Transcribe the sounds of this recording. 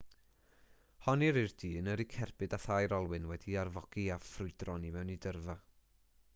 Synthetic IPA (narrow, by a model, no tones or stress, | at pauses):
hɔniɾird̥iːnəɾikʰɛrb̥ɨdaθajɾɔlˠwɨnwɛdiarvɔɡ̥iafrʊɨdrɔnimɛwnidərva